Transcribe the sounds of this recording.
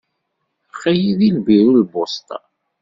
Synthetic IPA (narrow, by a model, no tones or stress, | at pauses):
χæjiðilbiɾulbost̪ɑ̰